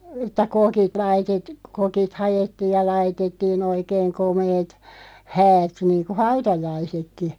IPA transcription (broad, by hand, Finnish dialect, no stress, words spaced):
ĕtˑæ kokit lɑitet kokit hɑjetːiːj̆ jɑ lɑitetːiːn oikeːŋ komeːt hæːt niːnku hɑutɑjɑisekːi